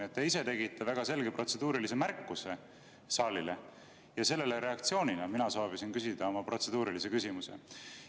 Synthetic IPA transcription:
et̪ːeise̞t̪e̞ɡit̪ːˑɑvæɡ̥ɑse̞lɡe̞pro̞t̪se̞d̪̥uːɾilis̬e̞mærkːuse̞ | sɑːlile | jɑse̞lːe̞leɾe̞ɑkt̪sio̞ːninɑminɑso̞ːvisinkysid̪̥ɑo̞mɑpro̞t̪se̞d̪̥uːɾilise̞kysʲimuse̞̰

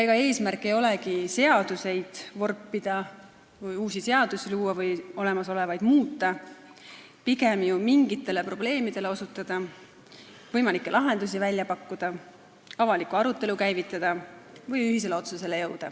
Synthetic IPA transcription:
eɡ̥ɑe̞ːsmæɾkːˑe̞jo̞le̞kise̞ɑd̪̥use̞jd̪̥vo̞rpːid̪̥ɑ | vɯjuːsise̞ɑd̪̥usiluːɑvɯjo̞le̞mɑso̞le̞vɑjd̪̥muːt̪ˑːɑ | piɡ̥e̞mjumiŋɡ̥it̪ːˑe̞le̞pro̞ble̞ːmid̪̥e̞le̞o̞sut̪ːˑɑd̪̥ɑ | vɤjmɑlikːˑe̞lʔɑɦe̞nd̪us̬ivælʲjɑpɑkːud̪̥ɑ | ɑvɑlikːˑuɑɾut̪ːˑe̞lukæjvit̪ˑːɑd̪̥ɑvɤjyɦis̬ele̞o̞t̪suse̞le̞jɤwd̪̥ɑ̰

